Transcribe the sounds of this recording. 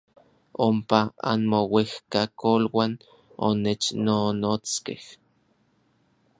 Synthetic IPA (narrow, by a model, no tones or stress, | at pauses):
ompaa̰nmowehkakolwan | o̰net͡ʃnonoːt͡skḛh